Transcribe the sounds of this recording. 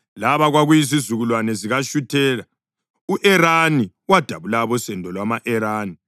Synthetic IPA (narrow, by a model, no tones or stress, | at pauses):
laβaɣwaɣujizizuɣulwanɛziɣaʃutʰɛːla | uʔɛɾani | wad̥ʱaβulaβɔsɛndʱɔlwamaʔɛɾaːni